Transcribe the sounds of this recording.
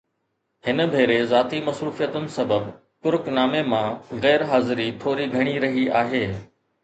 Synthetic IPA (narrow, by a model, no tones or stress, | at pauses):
hɪnəbʱeːɾezaːt̪imɐsɾuːfijət̪ʊnɪ̆sɐbəb | kʊɾʊknaːmemãɣɛːɾɦaːzɪɾit̪ʰoːɾiɡʱɐɽ̃iɾɐɦiʔaːɦeː